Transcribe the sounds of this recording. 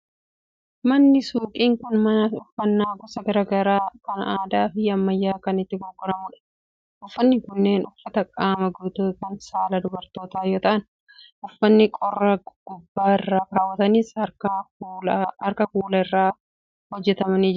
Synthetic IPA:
mɐnːɪsuːkʼiːŋkʊnmɐnɐʊfːɐnːaːɡɔsɐɡɐɾɐɡɐɾaːkɐnaːd̪aːfɪɐmːɐjːaːkɐnɪt̪ːɪɡɔɡʼːɔɾɐmuːᶑɐ̥ | ʔʊfːɐnːɪkʊnːeːnʊfːɐt̪ɐkʼaːmɐɡuːt̪ukɐnsaːlɐd̪ʊbɐɾt̪o̞ːt̪aːjoːt̪ɐʔɐn | ʔʊfːɐnːɪkʼɔrːɐɡ̥ʊbːaːɪrːaːkaːwːɐt̪ɐniːskɐ | ɐɾkɐkuːlɐɪrːaː | hɔd͡ʒːɛt̪ɐmɐniːd͡ʒ

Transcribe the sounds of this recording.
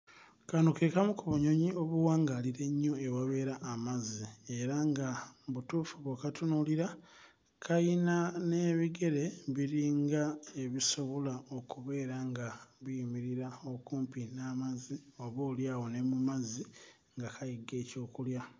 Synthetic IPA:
kanukekamukuβuɲo̞ɲio̞βuwaːŋɡaliɾe̞ɲːo̞ewaβe̞ːɾaʔːmazie̞ɾaŋɡaβutuːfuβokatunuliɾa | kʰajinane̞ːβiɡe̞ɾe̞βiɾiːŋɡaeβiso̞βo̞lao̞kuβe̞ːɾaŋɡaβijimiɾiɾao̞kuːmpinaːmazio̞βoːljaːwo̞ne̞mumazi | ŋɡakʰajiɡe̞ːco̞ːkulja

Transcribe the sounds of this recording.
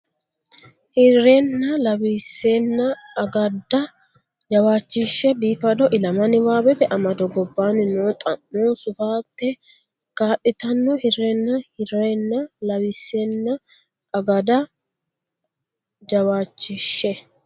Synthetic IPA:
hɪrːenːɐlɐwiːsːeːnːɐː | ɡɐd̪ɐ | d͡ʒɐwaːt͡ʃːɪʃːɛbiːfɐd̪ɔʔɪlɐmɐnɪwaːbɛt̪ɛʔɐmɐd̪ɔɡɔbːaːnɪnoːt̪ʼɐnːoːsʊfaːt̪ːɛ | kaːɗːɪt̪ɐnːɔhɪrenːɐhɪreːnːɐlɐwisːeːnːɐ | ʔɐɡɐd̪ɐ | d͡ʒɐwaːt͡ʃːɪʃːɛ

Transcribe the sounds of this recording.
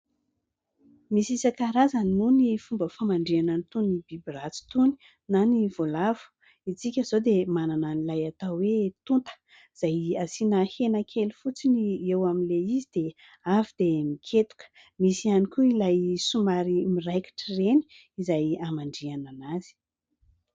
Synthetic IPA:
misisakaɾazanunifumbəfamaɳɖ͡ʐianant̪unibibirat͡si̥t̪uni̥ | naniv̥olavu̥ | it͡sikʲəz̥od̪emanananilajat̪awwet̪unt̪ə̥ | iz̥ajasinahenakʰʲelifut͡siniewamileizid̪̥e | avid̪emikʲʰet̪u̥kə̥ | misianikuilajsumaɾimirajki̥ʈ͡ʂireni̥ | izajamaɳɖ͡ʐiananaz̥i̥

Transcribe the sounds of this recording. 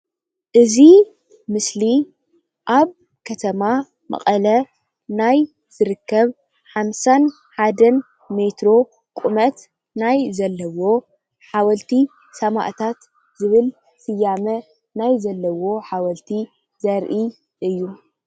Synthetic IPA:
ʔɨzi | mɨsli | ʔaβ | kʰɐt̪ʰɐma | mɐ̰χʼɐlɐ | naj | z̥ɨɾɨkːɐβ | ħamsan | ħad̪ɐn | me̞t̪ɾo̞ | kʼumɐt̪ | najzɐlːɐwo̞ | ħawɐlt̪ʰi | sɐma̰ʔt̪ʰat̪ | zɨβɨl | sɨjːamɐ | najzɐlːɐwo̞ħawɐlt̪ʰi | zɐɾʔi | ʔɨjːu

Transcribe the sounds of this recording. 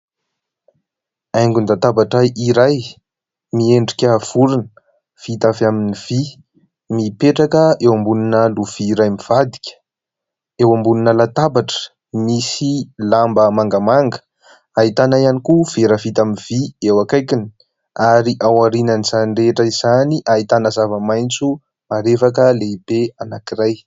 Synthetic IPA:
ajŋɡund̪at̪abaʈ͡ʂaʔiɾaj | mieɳɖ͡ʐikʲəv̥uɾun | v̥it̪avaminiv̥i | mipeʈ͡ʂakəewambuninəluv̥iːɾajmiv̥ad̪i̥kʲə̥ | ewambuninəlat̪abaʈ͡ʂə̥ | misilambəmaŋɡəmaŋɡə̥ | ait̪anaianikuv̥eɾəvit̪aminv̥iewakajkini̥ | aɾiʔawaɾinəniz̥anireʈ͡ʂəizaniʔait̪anəzavəmajnt͡su | maɾefakəleib̥eanakiɾaj

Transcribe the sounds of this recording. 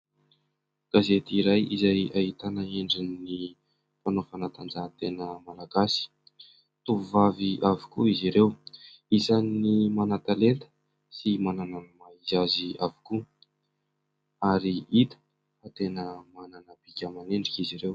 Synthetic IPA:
ɡ̥azet̪iɾajizajait̪anaeɳɖ͡ʐinni | fanofanat̪and͡zat̪enəmalaɡasi̥ | t̪uvuvaviʔavi̥kuiziɾew | isanːimanat̪alet̪ə̥ | simananamaizaziavi̥ku | aɾiit̪ə̥ | at̪enəmananab̥ikʲamaneɳɖ͡ʐikiziɾew

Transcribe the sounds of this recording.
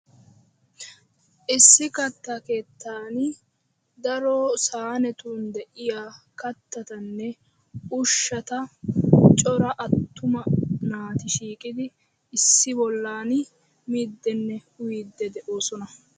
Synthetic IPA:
ʔɪsːɪkɐt̪ːake̞ːt̪ʰːaːn | d̪ɐɾɔsaːnɛt̪uːnd̪ɛʔɪjaː | kɐt̪ːɐt̪ɐnːɛ | ʊʃːɐt̪ɐ | t͡ʃʼɔɾɐʔɐt̪ːʊmɐnaːt̪ɪʃiːkʼɪd̪ɪ | ɪsːɪbɔlːaːn | miːd̪ːɛnːɛhʊjiːd̪ːɛd̪ɛʔoːsɔnɐ

